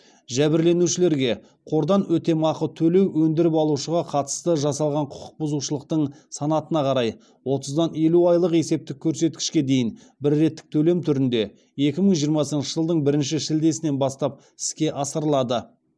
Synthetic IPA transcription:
ʒæbɪɾle̞nuʃɪle̞ɾɡʲe̞ | qʰo̞ɾd̪ɑnwɵt̪e̞mɑqət̪ʰɵle̞wwɵnd̪ɪɾɪpɑlˠuʃəʁɑqʰɑt̪ə̥st̪əʒɑsɑlˠʁɑɴqʰʊ̥qʰʊ̥q̚bʊzuʃəlˠəq̚t̪əɴ | sɑnɑt̪ənɑqʰɑɾɑj | wo̞t̪əzd̪ɑne̞luɑjlˠəqe̞se̞p̚t̪ɪkʲʰːɵɾse̞t̪̚kʲɪ̥ʃkʲe̞d̪e̞jɪn | bɪɾːe̞t̪ːɪ̥k̚t̪ʰɵle̞mt̪ʰʏɾɪnd̪e̞ | e̞kʲɪməɴʒijəɾmɑsənnʃəʒəlˠd̪əɴbɪɾɪnʃɪʃɪld̪e̞sɪne̞nbɑst̪ɑp̚ | ɪ̥ɪ̥skʲe̞ʔɑsəɾlˠɑd̪ə

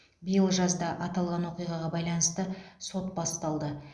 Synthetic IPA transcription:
bijəlˠʒɑzd̪ɑʔɑt̪ɑlˠʁɑnwo̞qijʁɑʁɑbɑjlˠɑnəst̪əso̞t̪bɑst̪ɑlˠd̪ə

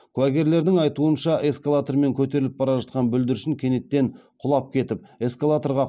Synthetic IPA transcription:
kʰlɑɡʲe̞ɾle̞ɾd̪ɪŋɑjt̪uənʃɑʔe̞skalˠat̪oɾme̞ŋkʲʰɵt̪̬e̞ɾɪlɪp̚bɑɾɑʒɑt̪̚qɑnbʏld̪ɪɾʃɪŋkʲʰe̞net̪ːe̞ɴqʰʊlˠɑp̚kʲʰe̞t̪ɪp̚e̞skolˠat̪oɾʁɑ

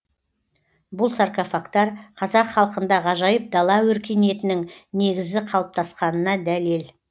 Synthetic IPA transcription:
bʊlˠsarkofakt̪ɑɾqʰɑzɑqχɑlˠəqənd̪ɑʁɑʒɑjəp̚d̪ɑlˠɑwɵɾkʲe̞ne̞t̪ɪnɪŋne̞ɡʲɪzd̪ɪqʰɑlˠəp̚t̪ʰɑsqɑnənɑd̪ælel

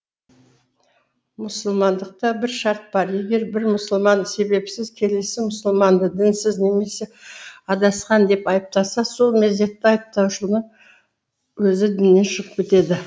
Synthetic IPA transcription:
mʊsəlˠmɑnd̪əq̚t̪ɑbɪɾʃɑɾt̪̚bɑɾje̞ɡʲe̞ɾbɪɾmʊsəlˠmɑnse̞be̞psɪzkʲʰe̞le̞sɪmʊsəlˠmɑnd̪əd̪ɪnsɪzne̞me̞se̞ɑd̪ɑsqɑnd̪e̞pɑjəp̚t̪ɑsɑso̞lˠme̞zd̪e̞t̪ːɪɑjəp̚t̪ɑwʃəlˠnəɴ | wɵzɪd̪ɪnːe̞nʃəʁəp̚kʲet̪e̞d̪ɪ

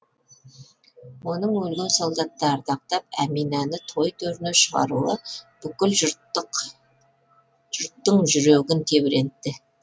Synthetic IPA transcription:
wo̞nəɴwɵlɡ̪ewsɑlˠd̪ɑt̪ːɑːɾt̪ɑq̚t̪ɑp̚æ̰minɑnɪt̪ʰo̞jt̪ʰɵɾneʃəʁɑ̰ɾuəb̥ʏkʲɪl | ʒʊɾt̪ːəɴʒʏɾeɡʲɪnt̪ʰe̞bɪɾe̞nt̪ːɪ

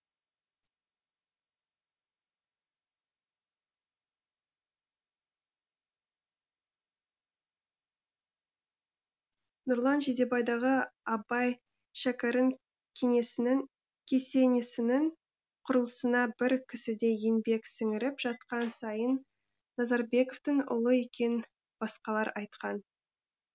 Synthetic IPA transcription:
nʊɾlˠɑnʒed̪e̞bɑjd̪ɑʁəɑbɑj | ʃækʲeɾəŋ | kʲʰe̞ŋe̞sɪnɪŋ | kʲʰe̞se̞nesɪnɪŋ | qʰʊɾəlˠəsənɑbɪɾkʲʰɪsɪd̪e̞jenbe̞ksɪŋɪɾɪpʒ̥ɑt̪̚qɑnsɑjənː | ɑzɑɾbe̞koft̪ɪŋʊ̰lˠəe̞kʲe̞n | b̥ɑsqɑlˠɑɾɑjt̪̚qɑn

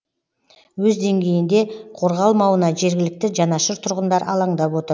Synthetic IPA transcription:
wɵzd̪e̞ŋɡʲe̞jɪnd̪e̞qʰo̞ɾʁɑlˠmɑwənɑʒe̞ɾɡʲɪlɪk̚t̪ɪʒɑnɑʃəɾt̪ʰʊɾʁənd̪ɑɾʔɑ̰lˠɑɴd̪ɑpwo̞t̪əɾ

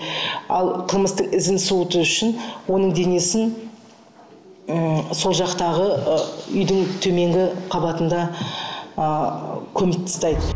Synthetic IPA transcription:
ɑ̰lˠqʰəlˠməst̪əɴɪzɪnsut̪əʏʃɪnwo̞nəɴd̪e̞ne̞sɪn | so̞lˠʒɑqt̪ɑʁəʏ̰jd̪ɪŋt̪ʰɵme̞ŋɡʲɪqʰɑbɑt̪ənd̪ɑ | əkʲʰɵmɪk̚t̪ʰə̥st̪ɑjd̪ə

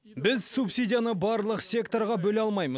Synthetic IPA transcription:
bɪzsupsʲidʲijanəbɑɾlˠəqsʲe̞kt̪o̞ɾʁɑbɵlɑlˠmɑjməz

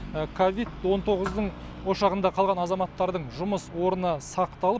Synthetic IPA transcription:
kʰovid̪wo̞nt̪ʰo̞ʁəzd̪əɴ | wo̞ʃɑʁənd̪ɑqʰɑlˠʁɑnɑzɑmɑt̪ːɑɾd̪əɴʒʊməswoɾənəsɑqt̪ɑlˠəp

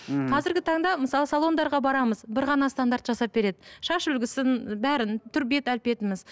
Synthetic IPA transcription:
qʰɑzɪɾɡʲɪt̪ʰɑɴd̪ɑməsɑlˠəsalˠo̞nd̪ɑɾʁɑbɑɾɑməzbɪɾʁɑnɑst̪and̪aɾt̪ʒɑsɑp̚be̞ɾe̞d̪ɪʃɑʃʏlɡʲɪsɪnbæɾɪnt̪ʰʏɾbe̞t̪ælpe̞t̪ɪmɪz

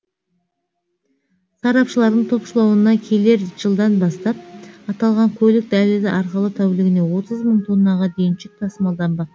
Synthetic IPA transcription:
sɑɾɑpʃəlˠɑɾd̪əɴt̪ʰo̞pʃəlˠɑwənɑkʲʰe̞le̞ɾʒ̥əlˠd̪ɑnbɑst̪ɑp̚ɑt̪ɑlˠʁɑŋkʲʰɵlɪk̚d̪ælɪd̪ɪʔɑɾqəlˠət̪ʰæwlɪɡʲɪne̞wo̞t̪əzməɴt̪ʰonːɑʁɑd̪ejɪnʃɪk̚t̪ʰɑsəmɑlˠd̪ɑnbɑq

